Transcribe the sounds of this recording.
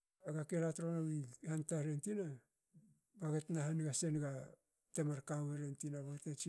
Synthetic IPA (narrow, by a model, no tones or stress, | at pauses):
aɡakeɾatɾonawihantaɾentina | baɡetnaɦanɡase̞nɡa | temaɾkaweɾentinabaɡetnat͡ʃi